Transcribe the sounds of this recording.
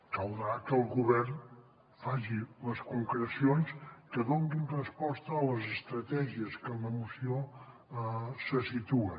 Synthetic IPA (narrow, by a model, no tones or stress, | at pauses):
kəwðɾakəlˠɣuβɛrn | faʒiləskuŋkɾəsionskəðoŋɡinrəspɔst̪əːləzəst̪ɾət̪ɛʒiəskələmusio | səsit̪uə